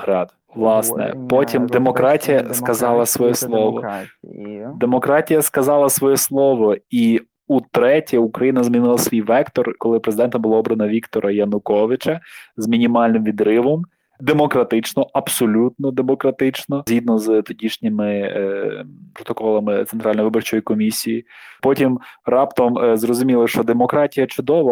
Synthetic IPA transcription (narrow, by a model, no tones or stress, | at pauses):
hɾɑd̪ | ʋlˠɑsnɛ̰pɔtʲimd̪emɔkɾɑtʲijɐskɐzɑlˠɐsʋɔjɛslˠɔʋɔ̰ | d̪emɔkɾɑtʲijɐskɐzɑlˠɐsʋɔjɛslˠɔʋɔi | ut̪ɾɛtʲiukɾɐjinɐzmʲinɪlˠɐsʋʲijʋɛkt̪ɔrkɔlˠɪpɾezɪd̪ɛnt̪ɐbʊlˠaɔbɾɐnɐʋʲikt̪ɔɾʔɐjɐnʊkɔʋɪt͡ʃɐzmʲinʲimɑlʲnɪmʋʲid̪ɾɪʋɔm | d̪emɔkɾɐt̪ɪt͡ʃnɔɐbsɔlʲut̪̚nɔd̪emɔkɾɐt̪ɪt͡ʃnɔzʲɦʲid̪nɔzt̪ɔdʲiʃnʲɪmɪ | pɾɔt̪ɔkɔlˠɐmɪent̪ɾɑlʲnjʋɪbɔrt͡ʃɔjikɔmʲisʲijipɔtʲimrɑpt̪ɐmzrɔzʊmʲilˠɪʃt͡ʃɔd̪emɔkɾɑtʲijɐt͡ʃʊd̪ɔʋ